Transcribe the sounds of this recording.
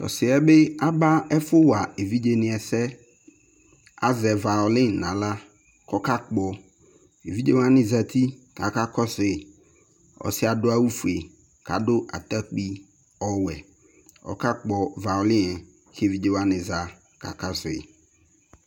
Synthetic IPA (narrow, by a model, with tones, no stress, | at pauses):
t̪ɔ̰˨sɪ˨ɛ˦be˦a˦ba˦ɛ˦fʊ˦wa˨e˨vi˦d͡ʒe˨nɪ̃˨ɛ˨sɛ˦ | a˦zɛ˨va˨ʊ˨lɪ˦nã˨la˦ | kɔ˦ka˦k͡pɔ˨ | e˨vi˦d͡ʒe˦wa˦nɪ̃˨za˨t̪ʰi˦ka˨ka˦kɔ˦sɪ˨ | ɔ̰˨sɪ˦a˨dʊ˦a˦wu˦fu˨e˨ | ka˨dʊ˦ʔa̰˨t̪a˦k͡pi˦ | ɔ˦wɛ˨ | ɔ̰˨ka˦k͡pɔ˨va˨ʊ˨lɪ̃˦ɛ˨ | ke˦e˨vi˦d͡ʒe˦wa˦nɪ̃˨za˨ | ka̰˨ka˦sɪ̰˨